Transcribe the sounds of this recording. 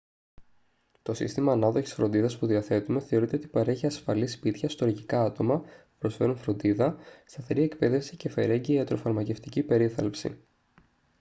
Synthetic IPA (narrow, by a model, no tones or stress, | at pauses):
t̪o̞sḭst̪imɐːnɐðo̞çi̥sfɾo̞nd̪iðɐspuðiɐθe̞t̪ume̞θe̞oɾit̪e̞o̞t̪ipɐɾe̞çiɐsfɐlispit̪çɐst̪o̞ɾʝikɐɐt̪o̞mɐpupɾo̞sfe̞ɾunfɾo̞nd̪iðɐst̪ɐθe̞ɾie̞kpe̞ðe̞fsi̥ce̞fe̞ɾe̞ɲɟiːɐt̪ɾo̞fɐɾmɐce̞ft̪icipe̞ɾiθɐlpsḭ